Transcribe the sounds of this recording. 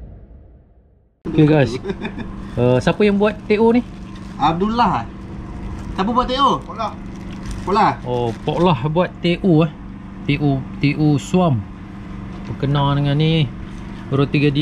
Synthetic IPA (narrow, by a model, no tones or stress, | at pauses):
keɡajs | əsapajaŋbuat̪ːeʔunihab̚dulaha | sapəbuat̪ːeʔu | poʔlaopoʔlahbuat̪ːeʔuah | t̪eʔut̪eʔusuam | pəkənãŋnəŋani | ɾot̪iɡadi